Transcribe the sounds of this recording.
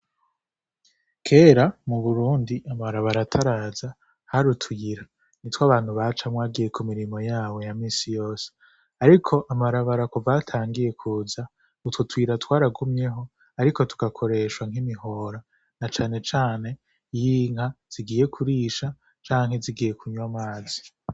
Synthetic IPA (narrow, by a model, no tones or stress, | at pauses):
kʰe̞ːɾamuβuɾuːndiʔamaɾaβaɾatʰaɾaːza | haɾutwiiɾa | nitwaβaːn̥huβat͡ʃamŋwaːɡije̞kʰumiɾimo̞jaːwe̞jamiːsijo̞ːse̥ | aɾikʰo̞ʔamaɾaβaɾakuvatʰaːŋɡije̞kʰuːza | ututwiːɾatwaːɾaɡumɲe̞ɦo̞ | aɾiko̞tu̥ɡakʰo̞ɾe̞ʃwaŋimiɦo̞ɾa | nat͡ʃaːne̞t͡ʃaːne̞ | jiːŋ̥haz̥iɡiːje̞kʰuɾiːʃa | t͡ʃaːŋɦe̞ziɡiːje̞kʰuɲomaːzi̥